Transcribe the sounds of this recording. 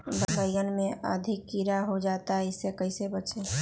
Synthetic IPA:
bəbəijənmẽə̰d̪ʱɪkːiɾaɦod͡ʒaːt̪aɦɛɪsekəɪsebət͡ʃe

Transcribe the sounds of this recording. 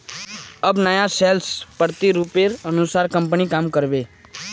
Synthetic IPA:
əbnəjaselspəɾt̪iɾupeɾənusaːɾkə̃mp̬nikaːmkəɾbeː

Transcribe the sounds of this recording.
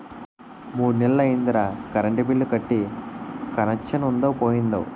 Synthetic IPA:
muːɽunɛlɐːɐind̪ɾɐkɐɾɐɳʈibilːukɐʈːi | kɐnɐkʂɐnund̪ɐwpoːjind̪ɐ̰w

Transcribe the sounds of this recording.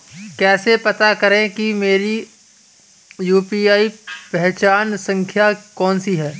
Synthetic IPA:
kɛːsepɐt̪akɐɾẽkimeːɾi | juːpiːaːipɛɦt͡ʃaːnsɐ̃ŋkʰjakɔːnsiɦɛː

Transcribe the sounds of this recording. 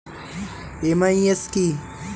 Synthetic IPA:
emaieski

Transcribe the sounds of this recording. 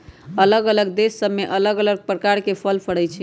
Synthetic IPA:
ələɡələɡd̪esːəbmːeʔələɡələɡ̚pɾəkaɾkepʰəlpʰəɽɛt͡ʃʰi

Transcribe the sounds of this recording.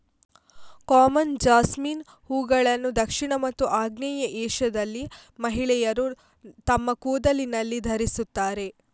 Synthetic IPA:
kaːmɐnd͡ʒaːsmin | huːɡɐɭɐnːud̪ɐkʂiɳɐmɐt̪ːuʔaːɡnɐjɐʔɛːʃɐd̪ɐlːimɐɦiɭɛjɐɾu | t̪ɐmːɐkuːd̪ɐlinɐlːid̪ʱɐɾisut̪ːaːɾe̞

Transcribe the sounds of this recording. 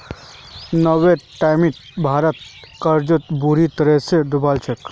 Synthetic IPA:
nəʋeʈajmit̪bʱaɾət̪̚kəɾd͡ʒot̪buɾit̪əɾesed̪ubalt͡ʃʰek

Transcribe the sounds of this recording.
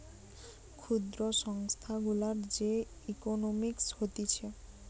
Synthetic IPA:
kʰud̪ɾoʃɔŋst̪ʰaɡulaɾd͡ʑe | ikonomikshot̪it͡ɕʰe

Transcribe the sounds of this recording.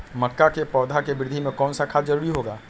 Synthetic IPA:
məkːakepɔːd̪ʱakebɾɪd̪ʱimẽkɔːnsakʰad͡ʒəɾuːɾiɦoːɡaː

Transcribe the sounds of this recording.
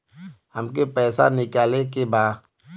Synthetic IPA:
həmk̬epɛːsa̰nɪkaːlek̬ebaː

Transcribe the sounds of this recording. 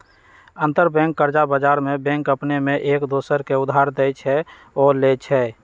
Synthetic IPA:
ə̃nt̪əɾbɛ̃ŋkːəɾd͡ʒabəd͡ʒaɾmebɛ̃ŋkəpnemeʔeːkd̪oːsəɾkeʊd̪ʱɦaɾd̪et͡ʃʰɛ | ɔːlet͡ʃʰɛ

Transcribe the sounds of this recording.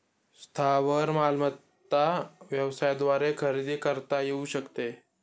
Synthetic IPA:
st̪ʰaʋəɾmalmət̪ː | aʋjəʋsajd̪ʋaɾekʰəɾid̪iːkəɾt̪ajeuɕəkt̪e

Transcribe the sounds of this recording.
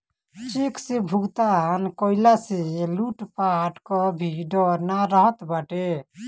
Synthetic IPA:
t͡ʃiksebʱuɡt̪ankoilaseluʈpaʈkɔbʱiɖɔɾnaɾəɦət̪bəʈe

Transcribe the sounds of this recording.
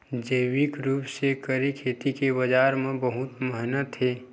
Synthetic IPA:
d͡ʒəːwɪkɾuːpsekəɾikʰeːt̪ikebɐd͡ʒaːɾmẽbəɦʊt̪məɦnət̪ɦeː

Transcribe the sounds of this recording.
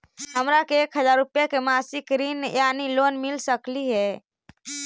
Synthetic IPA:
ɦəmɾakeːkɦəzaɾupjakemasɪkɾinjanilonmilsəkliɦɛː

